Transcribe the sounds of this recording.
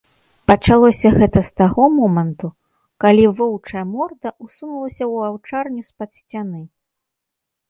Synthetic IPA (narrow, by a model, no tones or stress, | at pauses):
pɐt͡ʂalˠɔsʲɐɣɛt̪ɐst̪aɣɔmɔmɐnt̪u | kalʲivɔwt͡ʂɐjɐmɔrd̪ɐusunɐlˠɐsʲɐwawt͡ʂarnʲuspɐt̪sʲt͡sʲanɨ